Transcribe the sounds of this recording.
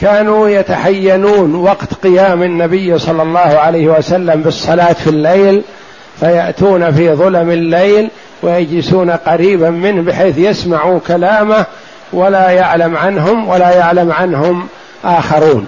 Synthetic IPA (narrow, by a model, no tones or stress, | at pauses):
kaːnuːjat̪aħajːanuːnwɑqt̪qɪjaːmɪnːabɪjːsˤɑlːɑlˤːɑːhʊʕalajhɪwasalːambɨsˤːɑlaːt̪filːejl | fajaʔt̪uːnafiːðˤʊlamɪlːejl | wɪjad͡ʒlɪsuːnaqɑɾiːbamɪnhbɪħeːθjasmaʕukalaːma | walajaʕlamʕanɦʊmwalajaʕlamʕanɦʊm | ʔaːxɑɾuːn